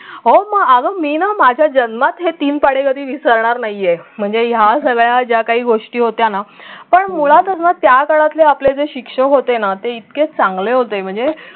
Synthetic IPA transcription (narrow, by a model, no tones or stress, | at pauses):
ɦoməɡaɡəmiːnamad͡ʑʱjad͡ʑənmat̪ɦet̪iːnpaɽekəd̪ʱiːʋisəɾɳaɾnaɦiem̤əɳd͡zejasəɡɭjad͡ʑjakaɦiːɡoʂʈiːɦot̪janapəɳmuɭat̪əsnat̪jakəɽat̪leapled͡zeɕikʂəkɦot̪enat̪eit̪ket͡sãŋɡleɦot̪em̤əɳd͡ze